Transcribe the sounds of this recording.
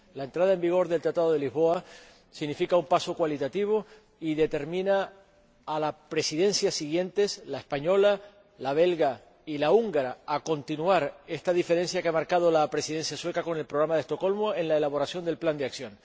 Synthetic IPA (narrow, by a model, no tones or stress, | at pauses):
laent̪ɾað̞aembiɣ̞o̞ɾðe̞lt̪ɾat̪aðoð̞eliɦβo̞a | siɣnifikaumpaso̞kwalit̪at̪iβ̞o | iðe̞t̪e̞ɾmĩnaː | lapɾe̞siðẽ̞nsjasiɣje̞nt̪e̞slaehspaɲo̞la | laβ̞e̞lɣa | ilauŋɡaɾaːko̞nt̪inuaɾe̞st̪aðife̞ɾe̞nsjakeamaɾkað̞olapɾe̞siðe̞nsjaswe̞kako̞ne̞lpɾoɣɾamaðe̞st̪oko̞lmoe̞nlaelaβo̞ɾasjo̞nd̪e̞lpland̪eaksjõ̞n